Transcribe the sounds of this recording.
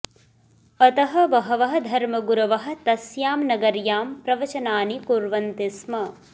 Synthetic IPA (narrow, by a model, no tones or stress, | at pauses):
ɐt̪ɐɦɐ̆ʋɐɦɐʋɐɦɐ̆d̪ʱɐɾmɐɡuɾɐʋɐɦɐ̆t̪ɐsjaːmnɐɡɐɾjaːmpɾɐʋɐt͡ʃɐnaːnikuɾʋɐnt̪ismɐ